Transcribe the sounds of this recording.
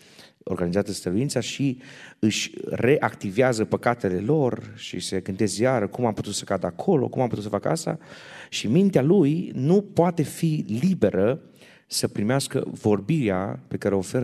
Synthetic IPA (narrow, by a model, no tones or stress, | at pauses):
orɡanizat̪əst̪əɾuint̪saʃiɨʃʲrʔe̞ʔakt̪iveazəpəkat̪e̞le̞lo̞rʃḭse̞ɡɨnd̪e̞sjaɾəkumamput̪ut̪sə̥kad̪əakʰo̞lo̞̰kumamput̪ut̪səfakəast̪a̰ʃimint̪ealujnupoat̪e̞filibe̞ɾə | səpɾimeaskə̰vo̞rbiɾea̰pe̞kaɾeofe̞ɾə